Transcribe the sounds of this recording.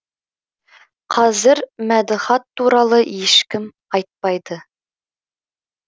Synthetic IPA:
qʰɑzɪɾmæd̪ɪχɑt̪ːuɾɑlˠəjeʃkʲɪm | ɑjt̪̚pɑjd̪ə

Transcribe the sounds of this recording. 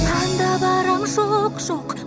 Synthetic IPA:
ɑnd̪ɑbɑɾɑmʃoqʃoq

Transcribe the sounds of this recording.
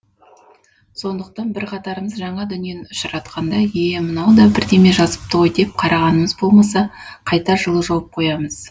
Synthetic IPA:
so̞nd̪əq̚t̪ɑnbɪɾqʰɑt̪ɑɾəməzʒɑɴɑd̪ʏnije̞nʊʃɾɑt̪qʰɑnd̪ɑjemənɑwd̪ɑbɪɾd̪e̞me̞ʒɑzəp̚t̪əojd̪e̞p̚qʰɑɾʔɑʁɑnəməzbo̞lˠmɑsɑqʰɑjt̪ɑʒəlˠəʒɑwəp̚qʰo̞jɑməz̥

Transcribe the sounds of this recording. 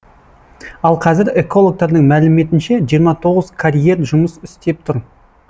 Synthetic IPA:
ɑlˠqʰɑzɪɾe̞ko̞lˠo̞k̚t̪ɑɾd̪əɴmælɪme̞t̪ɪnʃe̞ʒijəɾmɑt̪ʰo̞ʁəzkʰaɾʲije̞rʒʊməsʏst̪e̞p̚t̪ʰʊɾ

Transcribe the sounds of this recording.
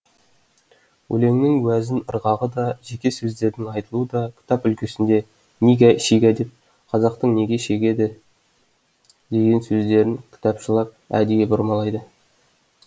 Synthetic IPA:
wʔɵ̰le̞ŋnɪŋwæzɪnəɾʁɑʁəd̪ɑʒe̞kʲe̞sɵzd̪e̞ɾd̪ɪŋɑjt̪əlˠuəd̪ɑkʲʰɪ̥t̪ɑpʏlkʲe̞sɪnd̪e̞ | neɡʲæʃeɡʲæd̪e̞p̚ | qʰɑzɑq̚t̪əɴne̞ɡʲe̞ʃe̞ɡʲe̞d̪ɪ | d̪e̞ɡʲe̞nsɵzd̪e̞ɾɪŋkʲʰt̪ɑpʃəlˠɑp̚æ̰d̪ejʲebʊɾmɑlˠɑjd̪ə

